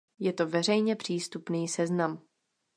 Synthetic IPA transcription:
jɛt̪o̞vɛr̝ɛjɲɛpr̝̥iːst̪upniːsɛznam

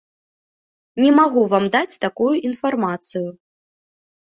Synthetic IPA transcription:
nʲɛmaɣuvamd̪at͡sʲt̪akujuʔinfarmat̪sɨju

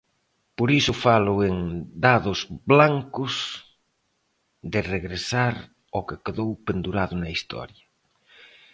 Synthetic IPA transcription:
poɾisʊfalʊeŋd̪aðʊzblaŋkʊs | ðɪreɣɾesaɾ | okɪkeðowpend̪uɾaðʊnɐist̪ɔ̰ɾjɐ

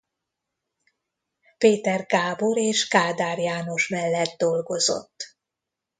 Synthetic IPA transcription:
peːt̪ɛrɡaːbo̞ɾeːʃkaːd̪aːrjaːno̞ʃmɛlːɛd̪d̪o̞lɡo̞zo̞̰t̪ː

